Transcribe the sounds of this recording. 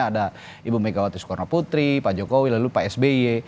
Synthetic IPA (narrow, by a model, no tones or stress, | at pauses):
ada | ibumɛɡawat̪uskɔrnaput̪ɾipad͡ʒɔkowilalupaɛsbeie